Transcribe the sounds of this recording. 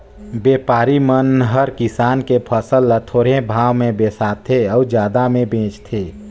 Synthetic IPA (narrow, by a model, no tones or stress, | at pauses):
beːpaːɾimənɦəɾkɪsaːnkepʰəsəlːət̪ʰoːɽebʱaːʋmẽbeːsaːt̪ʰeɔːɾd͡ʒjaːd̪amẽbẽːt͡ʃt̪ʰeː